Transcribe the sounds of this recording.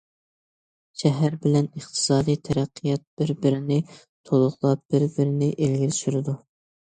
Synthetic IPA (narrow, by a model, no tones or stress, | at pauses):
ʃɛɦæɾbɪlɛnəχt̪ʰɨ̥sɑːd̪ijt̪ʰɛɾæqʰːijɑt̪̚b̥ɪɾbɪɾɪnɪ | t̪ʰolˠʊʁlˠɑp̚b̥ɪɾbɪɾɪnɪʔelɡʲɪlʃyɾɪd̪u